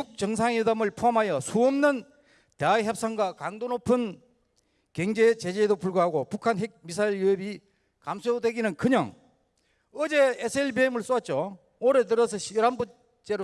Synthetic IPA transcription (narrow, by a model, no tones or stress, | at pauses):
uk̚t͡ɕʌŋsʰaŋedamɯɭpʰoɦamɦajʌsʰuʌmnɯn | t̪eaeçjʌp̚s͈aŋɡwakaŋdonopʰɯn | kjeŋd͡ʑet͡ɕed͡ʑedopuɭɡoɦaɡopukʰanɦek̚mis̬ʰaiɭjuebi | kamsʰodwe̞ɡinɯnkɯɲʌŋ | ʌd͡ʑe̞esʰɯeɭbiemɯɭs͈oat̚t͡ɕ͈o | oɾetɯɾʌsʰʌɕʌɾanbu | t͡ɕ͈e̞ɾo